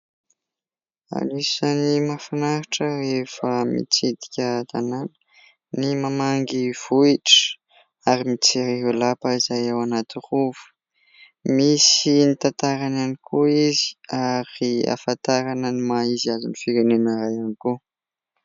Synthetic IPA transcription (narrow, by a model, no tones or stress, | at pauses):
a̰lisənimafanaɾiʈ͡ʂərefəmḭt͡sed̪i̥kʲət̪ananə̥ | nimamaŋɡiv̥uiʈ͡ʂə̥ | aɾimit͡seɾeɦulapəizajewanat̪iruvu̥ | misinit̪at̪aɾananikʰuizi̥aɾia̰fant̪aɾanənimaizazunifiɾenenaɾajaniku